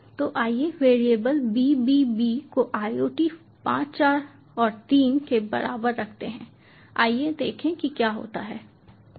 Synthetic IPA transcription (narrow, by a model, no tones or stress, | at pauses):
t̪oːʔaːieʋeːɾijeːbəlbiːbibiːkoʔaːioːʈi | pã̰ːt͡ʃt͡ʃaːɾ | ɔːɾt̪iːnkebɐ̰ɾʔa̰ːbəɾːɐkʰt̪eɦɛ̰̃ː | a̰ːied̪eːkʰẽkikjaːɦo̰ːt̪aɦɛː